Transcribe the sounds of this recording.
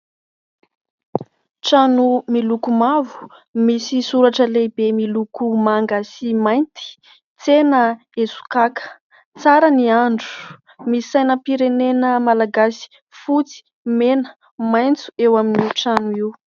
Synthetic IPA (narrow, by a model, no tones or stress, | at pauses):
ʈ͡ʂanumilukumavu̥ | misisuɾaʈ͡ʂəlebemilukumaŋɡasimajnt̪i̥ | t͡senə | esu̥kakə̥ | t͡saɾəniaɳɖ͡ʐu | misajnəpiɾenenəmalaɡasi̥ | fut͡si̥ | menə̥ | majnt͡su̥ewaminiʈ͡ʂanuiw